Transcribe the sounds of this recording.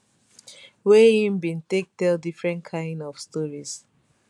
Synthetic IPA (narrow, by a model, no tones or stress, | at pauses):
wɛhĩmbĩntek̚tɛldifɹɛ̃ntkʰãɪ̃ndɔv̥stɔɹis